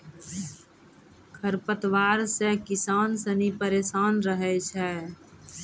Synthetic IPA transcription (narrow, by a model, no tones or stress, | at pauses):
kʰəɾpət̪waːɾsekɪsaːnsənipəɾeːsaːnɾəɦɛt͡ʃʰɛ